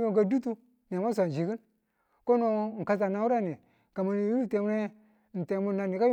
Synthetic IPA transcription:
o˦˨ɡa˨du˦tu˦ | n˨a˨ma˦s̬ʷa˨n˨d͡ʒi˨kɨ˦n | ko˦no˦˨ŋ̩˨ka˦sa˨na˨wu˦ɾa˦˨ni˨ | ka˨ma˨n˨ju˦i˦te˨m˦e˦˨ | n̩˨te˨˦mu˦na˨ni˨ka˦j

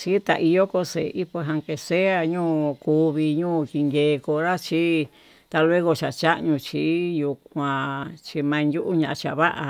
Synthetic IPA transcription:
t͡ʃi˦t̪a̰˧ʔi˧jo˦ko˧sḛ˨˧ʔi˦pe˧ɦã˧ŋke˧se˦a˧ɲũː˦˨ku˧βi˧ɲũː˦˨ki˧ŋɡeː˧ko˧ɾa˦t͡ʃi˦ | t̪a˧lwe˦ɣo˧t͡ʃa˨t͡ʃa˦ʔɲũ˧t͡ʃi˧˦ju˧kʷã˨˧t͡ʃi˧mã˧njʲu˦ʔu˦ɲã˧ʔa˧t͡ʃa̰˨βa˦ʔa˧

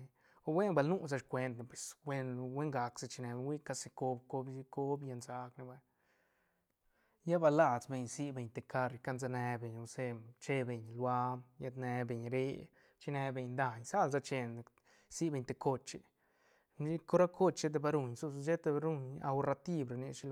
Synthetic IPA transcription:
o˧we˦nba˧lnu˦s̬a˧ʃkʷe˧nt̪na˧pwe˨swe˦n˧we˦ŋɡa˨kse˧t͡ʃi˧ne˧wʷi˦ka˧se˧ko˧bko˧bsi˧ko˦bja˧nza˧kne˧ba˧ | ja˦ba˧la˧t͡sbe˧ɲsi˦be˧ɲt̪e˧ka˧ɾka˦nza˧ne˧be˨ɲo˧se˦t͡ʃe˦be˧ɲlwa˧ja˧d̪ne˧be˧˨ɲɾe˧ | t͡ʃi˧ne˧be˧ɲnd̪a˧ɲsa˦lza˧t͡ʃe˧n˨ | si˦be˧ɲt̪e˧ko˧t͡ʃi˧ | i˦ko˦ɾa˦kʰo˦t͡ʃʃe˦t̪̬e˧ba˧ɾu˧ɲsu˦˧sʃe˦t̪e˧ɾu˦ɲa̰˧wɾa˧t̪i˧bɾa˧ni˧ʃi˧

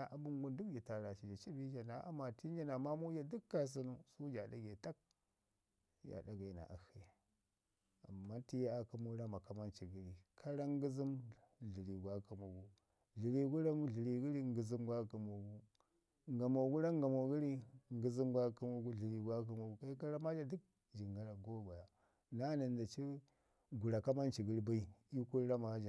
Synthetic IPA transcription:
a˨ʔa˨bu˦ŋɡu˦ndu˦kd͡ʒi˨ta˨ɾa˨ʃi˨d͡ʒa˨t͡ʃi˦bi˦d͡ʒa˨na˨˦ʔa̰˦ma˨ti˦n˦d͡ʒa˦na˨ma˦mu˦d͡ʒa˦du˦kːa˦˨s̬i˦nu˦su˦d͡ʒa˨da̰˦ɡe˨ta˦k̚ | ja̰˨da˦ɡa˨i˨na̰˨ʔa̰˨hi˦ja˨ | a̰˨mːa˦ti˦ja˦a˨ka˦mu˦ɾa˦ma˨ka˦ma˦nt͡ʃi˨ɡi˦ɾi˨kʰa˦ɾa˦ŋ˦ɡi˦zi˦mɮi˨ɾi˨ɡʷa˦ka˨mu˨ɡu˦ | ɮi˨ɾi˨ɡu˦ɾa˦m˦ɮi˨ɾi˨ɡi˦ɾi˦ŋɡə˨zi˦mɡʷa˦ka˨mo˨ɡu˦ | ŋɡa˨mo˨ɡu˦ɾa˦ŋɡa˨mo˨ɡi˦ɾi˦ŋɡi˦zi˦m˦ɡʷa˦ka˦mu˦ɡu˦ɮi˨ɾi˨ɡʷa˦k̬a˦ma˨ɡu˦ka˦i˦ka˦ɾa˦ma˦d͡ʒa˦du˦k̚ | d͡ʒi˨ŋɡa˦ɾa˨ɡo˦ɡa˨ja˨ | na˦na˨nda˨t͡ʃi˦ | ɡu˨ɾa˨ka˦ma˦nt͡ʃi˨ɡi˦ɾba˦i˦i˦ku˦ɾa˦ma˨˦d͡ʒa˨

